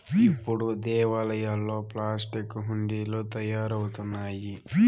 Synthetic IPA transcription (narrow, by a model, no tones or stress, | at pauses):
ipːuɽud̪ɛːʋalɐjɐlːo̞ːplaːs̬ʈikːɦuɳɖiːloːt̪ɐjaːɾɐwut̪unːaːji